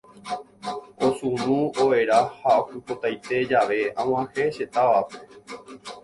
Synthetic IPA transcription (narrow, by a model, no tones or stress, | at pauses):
o̞sũnũoe̞ɾahaokɨpot̪ajt̪e̞d͡ʒaʋe̞ãw̃ãhe̞ʃe̞t̪aʋape̥